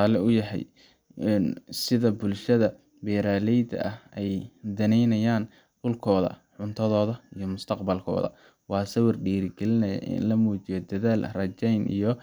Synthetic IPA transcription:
ɑːlɛʊjɐɦɛ̰j | ɛnsɪðɐbʊlʃɐðɐ | bɛːɾaːlɛjd̪ɐ̰ʔɐhɛjd̪ɐnɛjnɐjaːn | dʊlkʰɔːðɐ̰ħʊnt̪ʰɐðɔːðɐijɔmʊst̪ʰɐqbɐlkʰɔ̰ːðɐ̰ | wɑːsɐwɐrɖiːɾɪɡɛlɪnɐjɐ̰ʔɪ̰nlɐmuːt͡ʃɪjɔd̪ɐðaːlrɐt͡ʃɛjnʔḭjɞ

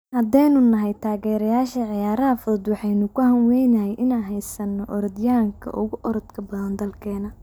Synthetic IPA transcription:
hɐd̪ɛjnʊnɐɦɛjt̪ʰaːɣɛːɾɐjaːʃɐʕɪjaːɾɐɦɐfʊðɔd̪wɑħɑjnʊkʰʊhɐnwɛjnɐhɛjʔɪnaːnɦɛjsɐnːɔʔɔɾɔd̪jaːŋkʰɐ̰ʔʊɣʊʔɔɾɔd̪kʰɐbɐðɐnd̪ɐlkʰɛːnɐ

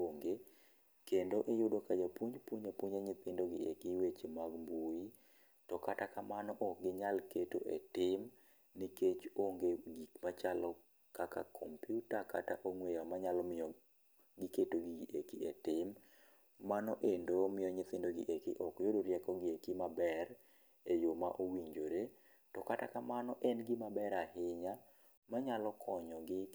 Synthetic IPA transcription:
oŋɡe | kendoʔejʊdokad͡ʒapuɲpuɲapuɲaɲɪt̪ɪndoɡɪḛkiwet͡ʃemaɡmbui | tɔkatakamanɔʔɔɡɪɲalketoʔɛtɪm | niket͡ʃoŋɡeɡikmat͡ʃalɔ | kaka̰kʰɔmpjutaka̰taʔoŋwejamaɲalɔmɪjɔ | ɡɪketoɡiɡʔekietɪmː | anɔʔendomɪjɔɲɪt̪ɪndoɡɪ̰ʔekḭʔɔkjodoɾjɛkɔɡɪekɪmabɛr | ejoma̰ʔowiɲd͡ʒoɾe | tɔkata̰kamanɔʔɛnɡɪmabɛɾahɪɲa | maɲalɔkʰɔɲɔɡɪ

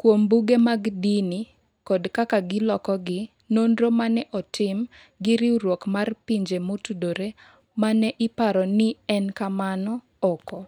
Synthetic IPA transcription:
kwombuɡemaɡdini | kɔdkakaɡɪlɔkɔɡɪ | nondɾomanɛʔɔtʰɪm | ɡɪɾɪwɾwokmarpiɲd͡ʒemotudoɾe | manɛʔɪpaɾɔnɪɛnkamanɔ | ɔkɔ

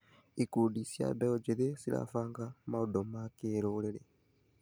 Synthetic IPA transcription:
ikudisja̰daod͡ʒiðesila̰faːŋɡamaodomakeːɾolele

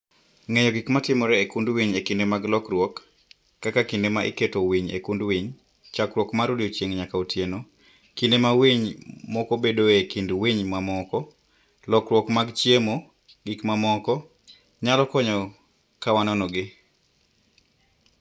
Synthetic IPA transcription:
ŋeɲɔɡikmatɪmɔɾɛekundwiɲekindemaɡlɔkɾwɔkː | akakindemaʔḭketowiɲḛkundwiɲ | t͡ʃakɾwɔkmaɾudiot͡ʃjeŋɲakautjeno | kindemawiɲmɔkobedoekindwiɲmamɔkɔ | lɔkɾwɔkmaɡt͡ʃjemo | ɡikmamɔkɔ | ɲalɔkɔɲɔ | kawanɔnɔɡɪ

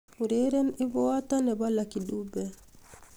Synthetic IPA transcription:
uɾeɾɛnibɔwatanɛbalakiɗubɛ

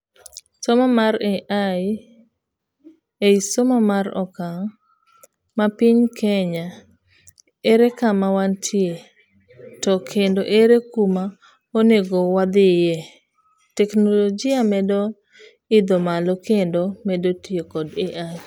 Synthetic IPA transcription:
somamaɾɛʔa | eisomɔmaɾɔ̰kaŋ | mapiɲkʰɛɲa | eɾekamawantʰje | tɔkʰendoʔeɾekuma | oneɡowad̪ɪjɛ | tɛknolɔd͡ʒɪamɛdɔ | ɪd̪omalɔkendomɛdotjekɔdeʔa

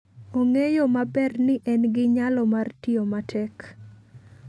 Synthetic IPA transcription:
oŋejomabɛrnɪʔɛnɡɪɲalɔmartiomatʰɛk

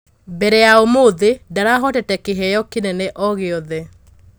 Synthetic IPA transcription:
bɛɾɛjaomoðedaɾaɦɔtɛtɛkeɦɛjɔkenɛnɛʔɔɣeɔðɛ

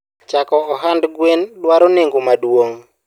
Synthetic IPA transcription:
t͡ʃakɔːɦandɡwendwaɾoneŋɡomadwoŋ

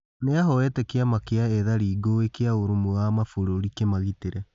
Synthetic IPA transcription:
neaɦɔwɛtɛkeamakeaeðaɾiːɡoekeaoɾomoamafoɾoɾikemaɣiteɾɛ

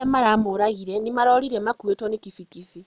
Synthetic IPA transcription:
emaɾamoɾaɣiɾenimaɾoːɾiɾemakwetonikifikifi

